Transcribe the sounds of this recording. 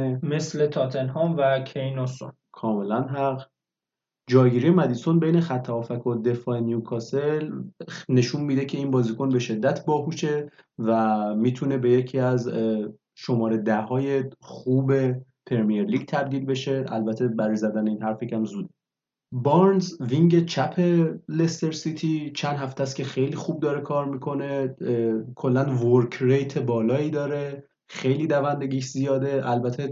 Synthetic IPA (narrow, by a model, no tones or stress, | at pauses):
me̞slet̪ʰɒt̪ʰenɦɔmvækʰejnoso̰n | kʰɒːme̞lænɦæɢ | d͡ʒɒːɡiɾijemæd̪iso̞nbe̞jne̞xæt̪ʰːæɒːfækʰod̪e̞fɒːenijukʰɒːselne̞ʃuːnmiːd̪e̞cʰe̞iːnbɒːziːko̞nbe̞ʃe̞d̪ːæt̪ʰbɒːɦuʃe̞ | væmiːt̪ʰune̞be̞jecʰiːæz | ʃo̞mɒːɾed̪æɦɒːje̞xuːbe̞ | pʰeɾmijeɾliːɟt̪ʰæb̚d̪iːlbe̞ʃe̞ælbæt̪ʰe̞bæɾɒjzæd̪æneiːnhæɾfecʰæmzuːd̪̚ | bɒɾnzviŋɟet͡ʃʰæpʰe̞lest̪eɾsit̪ʰit͡ʃʰænd̪ɦæft̪æskcʰe̞xe̞jlixuːb̚d̪ɒːɾekʰɒːɾmiːkʰo̞ne̞ | kʰo̞lːænvoɾcʰɾejt̪ʰebɒːlɒːiːd̪ɒːɾe̞ | xe̞jliːd̪ævænd̪e̞ɟiːʃzijɒːd̪e̞ʔælbæt̪ʰe